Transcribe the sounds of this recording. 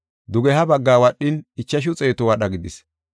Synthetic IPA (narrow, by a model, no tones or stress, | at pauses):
d̪ʊɡɛhɐbɐɡːaːwɐɗːɪnɪt͡ʃːɐʃ̬ʊt͡sʼe̞ːt̪ɔwɐɗɐɡɪd̪ɪs